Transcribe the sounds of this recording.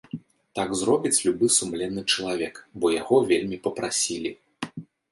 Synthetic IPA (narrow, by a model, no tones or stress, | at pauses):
t̪aɡzɾɔbʲit͡sʲlʲubɨsumlʲɛnːɨt͡ʂɐlˠavʲɛkbɔjaɣɔvʲelʲmʲipɐpɾʔasʲilʲi